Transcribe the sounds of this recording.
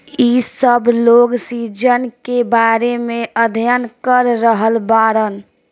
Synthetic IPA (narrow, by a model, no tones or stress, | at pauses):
isəbʱloɡsid͡ʒənkebaɾemeʔəd̪ʱjənkəɾːəɦəlbaɾən